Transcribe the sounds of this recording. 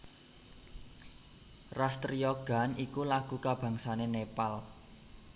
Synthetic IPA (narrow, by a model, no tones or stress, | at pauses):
rast̪riɔɡ̥a̤nikulaɡ̥ṳkab̥a̤ŋsanenepal